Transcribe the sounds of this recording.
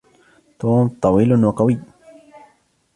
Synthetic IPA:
t̪oːmt̪ˤɑwiːlʊnwaqawiː

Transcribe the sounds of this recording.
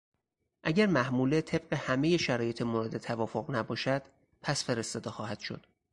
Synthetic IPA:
ʔæɟæɾmæhmuːlet̪ʰe̞b̥̚ɢe̞hæme̞je̞ʃæɾɒːje̞t̪ʰemoɾed̪e̞t̪ʰævɒːfoɣnæbɒːʃæd̪̥ | pʰæsfe̞ɾe̞st̪ɒːd̪exɒːhæd̪̥ʃo̰d̪̥

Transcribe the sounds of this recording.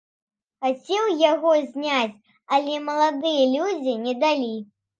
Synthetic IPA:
xat͡sʲɛwjaɣɔzʲnʲat͡sʲ | ɐlʲɛmɐlˠad̪ɨjɐlʲud͡zʲinʲɛd̪alʲi

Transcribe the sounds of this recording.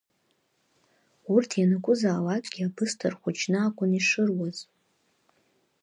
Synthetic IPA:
urtʰjanɨkʷʼʊzaːlakʼɡ̥ʲiabɨstʰɨrχʷʊt͡ʃʰnɨakʷʼʊniʂɨrwaz̥

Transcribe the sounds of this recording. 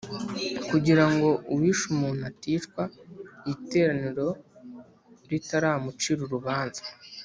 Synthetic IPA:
kuɟiɾaŋɡo̞uwiʃumunatiːʃkwaite̞ːɾaniɾo̞ | ɾitaɾaːmut͡ʃiɾuɾuβaːnzḁ

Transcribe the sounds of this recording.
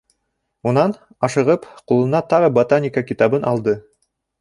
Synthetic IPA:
unɑn | ɑʃɤ̆ʁɤpqulˠɤ̆nɑt̪ɑʁɤbot̪anʲikakit̪ɑβɤnʔɑlˠd̪ɤ

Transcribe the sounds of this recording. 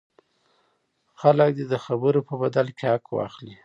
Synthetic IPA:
xalək̚d̪ed̪əxabəɾopəbad̪alkeakwɑ̰xli

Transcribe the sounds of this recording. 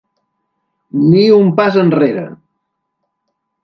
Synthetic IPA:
niumpazənreɾə̰

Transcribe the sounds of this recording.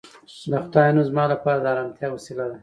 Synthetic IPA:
d̪axʊd̪ɑjanuzmɑlapɑːɾad̪aɾamt̪jawasilad̪a

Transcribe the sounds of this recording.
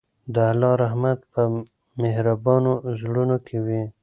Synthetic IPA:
d̪əalɑɾahmat̪pə | mehɾabɑnozɽunokʰewi

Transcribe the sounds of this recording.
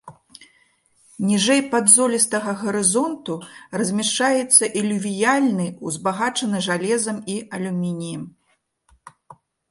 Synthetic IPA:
nʲiʐɛjpad̪zɔlʲist̪ɐɣɐɣɐɾɨzɔnt̪urɐzʲmʲɛʂt͡ʂajɛt̪sːɐʔilʲuvʲijalʲnɨuzbaɣat͡ʂɐnɨʐalʲɛzɐmiɐlʲumʲinʲijɐm

